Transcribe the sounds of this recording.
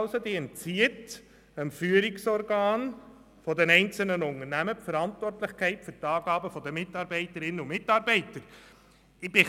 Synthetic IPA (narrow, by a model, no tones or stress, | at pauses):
lsod̪iɛnt͡siət | əmfyːəɾɪksɔɾɡɑːn | fɔdɛnɛɪnt͡sl̩nənʊŋərnæməpfəɾɑntʋɔrtlɪχkʰɛɪtfʏɾtɑːɡ̥ɑːbəfɔd̪əmɪtɑːɾbɛɪtəɾɪnːəumɪtːɑːɾbɛɪtəɾ | ɪb̥ɪ